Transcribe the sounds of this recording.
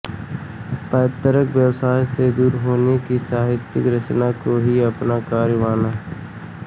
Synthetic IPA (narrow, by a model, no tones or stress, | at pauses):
pəːt̪əɾəkʋjəwsaːjsed̪uːɾɦoːnekisaːɦɪt̪jɪkɾət͡ʃnakoɦiɐpnakaːɾʋaːnaːɦ